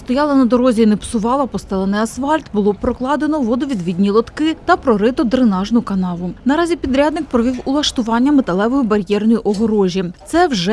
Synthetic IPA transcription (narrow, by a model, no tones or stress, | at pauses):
st̪ɔjɑlˠɐnɐd̪ɔɾɔzʲinɛpsʊʋɑlˠɐpɔst̪ɛlˠɛnɪjɐsʋɑlʲt̪bʊlˠɔpɾɔklˠɑd̪enɔʋɔd̪ɔʋʲid̪ʋʲid̪ʲnʲilˠɔt̪kɪt̪ɐpɾɔɾɪt̪ɔd̪ɾɪnɑʒnʊkɐnɑʋʊnɐɾɑzʲipʲid̪ɾʲad̪nɪk̚pɾɔʋʲiwʊlˠɐʃt̪ʊʋɑnʲːɐmet̪ɐlˠɛʋɔjʊbɐɾʲjɛrnɔjiʔɔɦɔɾɔʒʲit̪sɛwʒɛ